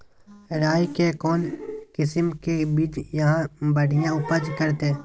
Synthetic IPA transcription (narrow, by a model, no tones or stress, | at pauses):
ɾaːjkekɔːnkɪsəmkebid͡ʒjɐɦãbəɽ̤ijãʊpəd͡ʒkəɾt̪eː